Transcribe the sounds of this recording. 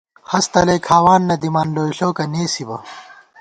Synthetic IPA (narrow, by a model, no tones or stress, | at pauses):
hɐst̪ɐlejkʰaːwaːnːɐd̪imaːnloːiɬoːkɐneːsibɐ